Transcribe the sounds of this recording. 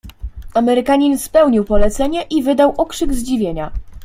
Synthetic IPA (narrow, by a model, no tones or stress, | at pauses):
amɛɾɘkaɲinspɛwɲiwpɔlɛt̪sɛɲɛʔivɘd̪awʔɔkʂɘɡzd͡ʑivʲjeɲa